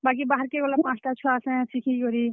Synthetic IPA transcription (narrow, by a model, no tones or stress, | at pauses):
baːk̬ibaːɦəɾkeɡolapãːsʈat͡ʃʰuaːsɛ̃sikʰiɡoːɾi